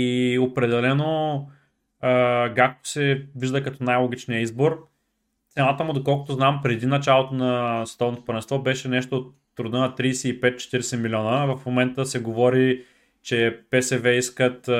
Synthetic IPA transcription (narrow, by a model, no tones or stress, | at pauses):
iopɾɛd̪ɛlɛno | əɡak̚t̪o̥sɛviʒd̪əkɐt̪ɔnajlˠoɡ̟it͡ʃnijəizboɾ | t̪sɛnat̪əmʊd̪okɔlˠkʊ̥t̪ʊznampɾɛd̪inɐt͡ʃalˠot̪onɐsɛ̥t̪ɔvnot̪spəɾɛnst̪vɔbɛʃɛnɛʃt̪oːt̪ːɾʊd̪ənɐt̪ɾiːsɛipɛt̪̚t͡ʃɛ̥t̪iɾɛsɛmilʲiɔnəvɐfmomɛnt̪əsɛɡovɔɾi | t͡ʃɛpɛsɛvɛiskət̪